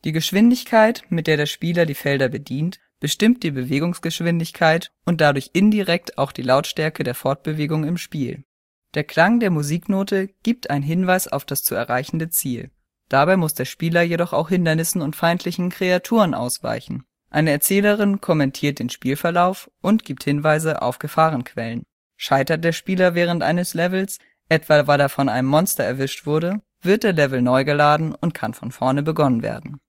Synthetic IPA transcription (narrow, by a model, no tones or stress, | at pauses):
d̥iːɡəʃv̥ɪndɪçkʰaɪtmɪt̚d̥eːɐɾeːɐʃpiːlɐdiːfɛldɐbədiːnt | b̥əʃtɪmt̚d̥iːbəveːɡʊŋsɡ̥əʃv̥ɪndɪçkʰaɪtʔʊnt̚d̥adʊɐçʔɪndiʁɛk̚tʰaʊxd̥iːlaʊtʃtɛɐkədeːɐfɔɐt̚b̥əveːɡʊŋɪmʃpiːl | d̥eːɐkl̥aŋdeːɐmuziːknoːtəɡ̥iːp̚tʔaɪnənɦɪnvaɪsa̰ʊfd̥ast͡suɛ̰ɐʁaɪçn̩dət͡siːl | d̥abaɪmʊsd̥eːɐʃpiːlɐjedɔχa̰ʊxhɪndɐnɪsn̩ʊntfaɪntʰlɪçn̩kʁ̥eatʰuːʁənʔa̰ʊsv̥a̰ɪçn̩ | ʔaɪnəɛɐt͡sɛːləʁ̞ɪnkʰɔmɛntʰiːɐt̚d̥eːnʃpiːlfɛɐlaʊfʔʊntɡ̥iːp̚thɪnvaɪzəʔa̰ʊfɡ̥əfaːʁ̞ənkʰv̥ɛlən | ʃaɪtɐt̚d̥eːɐʃpiːlɐvɛːʁ̞əntʔa̰ɪnəslɛvl̩s | ʔɛtv̥avaɪleːɐfɔnʔaɪnəmːɔnstɐɛɐvɪʃtv̥ʊɐdə | v̥ɪɐt̚d̥eːɐlɛvl̩nɔʏɡəlaːdn̩ʊntkʰanfɔnfɔɐnəbəɡɔnənvḛːɐdn̩